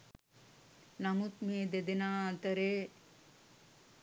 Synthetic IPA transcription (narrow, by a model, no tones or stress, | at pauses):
namut̪̚meːd̪ed̪enaːat̪əɾeː